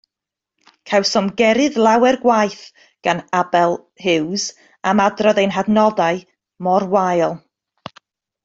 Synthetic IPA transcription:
kʰawsɔmɡɛɾɨðlˠawɛrɡwajθ | ɡ̥anabɛlˠ | hɪwz | amadrɔðejnɦadnɔdaɨ | mɔrwajlˠ

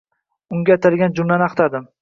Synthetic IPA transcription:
ʊŋɡʲat̪ʰaɾɡʲand͡ʒʊmlanɑqt̪ʰad̪ɪm

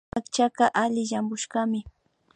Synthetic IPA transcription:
akt͡ʃakɑʔalɪʃambʊʃɢɑmɪ

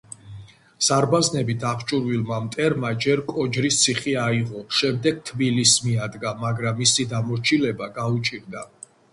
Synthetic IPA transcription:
saɾbaznɛbit̪ʰapʰt͡ʃʼuɾwilˠmamt̪ʼɛɾmad͡ʒɛɾkʼɔd͡ʒɾist̪sʰiχiaiʁɔʃɛmd̪ɛɡ̥̚t̪ʰbilismiad̪ɡamaɡɾamːisid̪amɔɾt͡ʃʰilɛbaɡaut͡ʃʼiɾd̪a

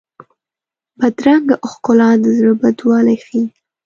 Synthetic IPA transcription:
bad̪ɾaŋɡaʔʊxkʊlɑd̪əzɾəbad̪wɑlajxi

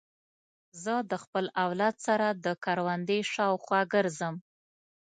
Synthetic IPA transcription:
zəd̪əxpəlawlad̪saɾad̪əkɑɾwand̪əjʃɑwxwɑɡəɾzəm

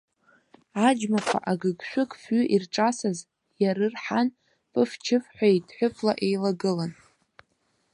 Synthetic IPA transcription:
ad͡ʒmakʷʰa̰ʔaɡɨɡʃʷᶣʊkʼfɥʏʔirʈ͡ʂʼasaz | jaɾɨrħan | pʼɨft͡ʃʰɪfħʷajitʼħʷᶣʊpʰʼlaʔe̞jlaɡɨlan

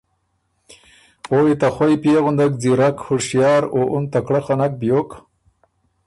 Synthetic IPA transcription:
owit̪axwajpjeɣʊnd̪ak̚d͡ziɾakhʊɽʃjɑːɾoʔʊnt̪akɽaχanak̚bjok

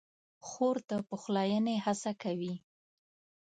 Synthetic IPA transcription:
xoɾt̪apəxlɑjənehasakawi

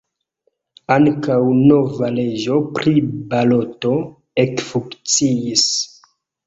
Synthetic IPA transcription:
aŋkawno̞vale̞d͡ʒo̞pɾibalo̞to̞ | ekfuŋkt͡siis

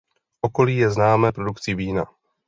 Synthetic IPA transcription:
ʔo̞ko̞liːjɛznaːmɛːpɾo̞dukt͡sɪviːna̰

